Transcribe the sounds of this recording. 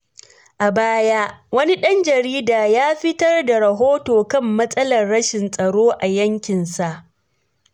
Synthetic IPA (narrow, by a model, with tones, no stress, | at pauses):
ʔa˨baː˦ja˦wɐ˦ni˦ɗɐ˦nd͡ʒɐ˨ɾiː˦daː˨jaː˦ɸɪ˦tɐ˦rda˨ɾɐ˨ɦoː˦toː˨kɐ˦˨mːɐ˦sʼɐ˦lɐ˨rːɐ˦ʃɪ˨nsʼɐ˨ɽoː˦ʔa˨jɐ˦ŋkʲɪ˨nsa˨ʔ